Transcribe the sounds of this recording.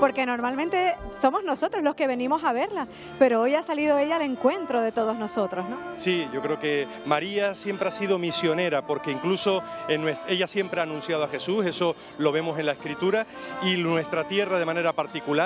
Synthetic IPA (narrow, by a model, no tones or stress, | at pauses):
po̞ɾke̞no̞ɾmalmẽnt̪eso̞mo̞zno̞so̞t̪ɾozlo̞ske̞βe̞nĩmo̞saβe̞ɾla | pe̞ɾoojasaliðo̞e̞ʎaːleŋkwe̞nt̪ɾo̞ð̞e̞t̪o̞ð̞ozno̞so̞t̪ɾosnosiʝo̞kɾe̞oke̞ | maɾiasje̞mpɾeasiðo̞misjo̞ne̞ɾapo̞ɾkeiŋkluso̞enːwee̞ʝasje̞mpɾeanũnsjaðoaxe̞suse̞so̞ | lo̞β̞e̞mo̞se̞nlaehkɾit̪uɾa | iwe̞st̪ɾat̪je̞rað̞e̞mãne̞ɾapaɾt̪ikula